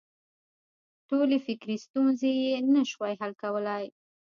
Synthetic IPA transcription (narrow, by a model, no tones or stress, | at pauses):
ʈolefɪkɾist̪unzejenaʃwajɦalkawəlaj